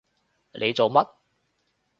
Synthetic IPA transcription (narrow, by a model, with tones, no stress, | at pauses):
lʔe˨˧jt͡so˨wmɐ˥t̚